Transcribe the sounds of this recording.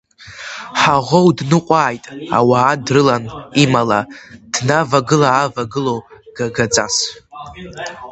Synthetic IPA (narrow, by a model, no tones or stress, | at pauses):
ħaʁʷowdnɨqʷʼaːjtʼa̰waːdrɨlanimalad̥navaɡɨlaːvaɡɨlowɡ̥aɡat͡sʼa̰s